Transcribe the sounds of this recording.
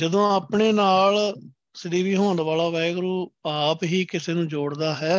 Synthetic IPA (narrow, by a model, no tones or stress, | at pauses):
d͡ʒəd̪õːaːpɳeːnaːl | sɪd̪iːʋiːɦoːnʋaːlaːʋɛːɡɾuːaːpɦiːkɪseːnũːd͡ʒoːɽd̪aːɦɛː